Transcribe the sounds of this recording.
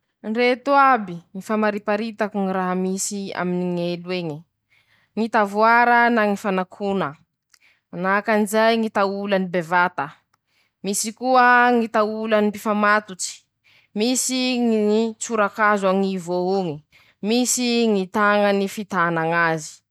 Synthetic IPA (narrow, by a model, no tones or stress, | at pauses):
ɳret̪uabiŋifamaɾipaɾit̪akuŋiɾaɦamisia̰miniŋelweɲi | ŋit̪avuaɾənaŋifanakʰunə | nakanizajŋit̪aulanibevat̪ə | misikuəŋit̪aulanipifamat̪ut͡si̥ | misiŋit͡suɾakazaŋivouŋi | misiŋit̪aŋənifit̪anaŋazi̥